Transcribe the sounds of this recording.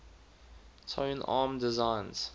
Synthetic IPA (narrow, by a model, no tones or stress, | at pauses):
tʰõɪ̃na̰ːmdɪzãɪ̃nz̥